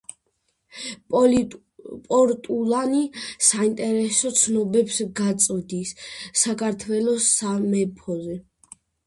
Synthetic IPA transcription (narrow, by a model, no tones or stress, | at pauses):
pʼɔɾt̪ʼulanisaint̪ʼɛɾɛsɔt̪sʰnɔbɛpsɡat̪sʼɔd̪isːakʰaɾt̪ʰwɛlɔsamɛpʰɔzɛ